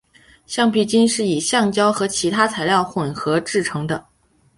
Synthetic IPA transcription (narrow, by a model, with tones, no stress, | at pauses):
ɕjɑ˥˧ŋpʰi˧˥˩t͡ɕi˥nʂɻ̩˥˩i˨˩ɕjɑ˥˩ŋt͡ɕjɑ˥ʊxɤ˧˥t͡ɕʰi˧˥t̪ʰa˥t͡sʰa˧˥ɪljɑ˥˩ʊxwə˨˩nxɤ˧˥ʈ͡ʂɻ̩˥˩ʈ͡ʂʰɤ˧˥ŋd̪ə˧